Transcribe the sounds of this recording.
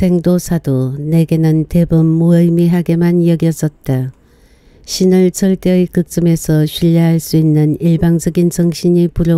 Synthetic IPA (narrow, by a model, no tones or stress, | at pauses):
sʰe̞ŋdosʰadone̞ɡe̞nɯnte̞bɯmːoʌimiɦaɡe̞manjʌɡjʌs͈ʌt̚t͈a | ɕʰinɯɭsʰʌɭt͈eɯkɯk̚t͡ɕ͈ɯme̞sʰʌɕʰiʎːaɦaɭs͈uinːɯniɭbaŋd͡ʑʌɡint͡ɕʌŋɕʰiɲipuɾo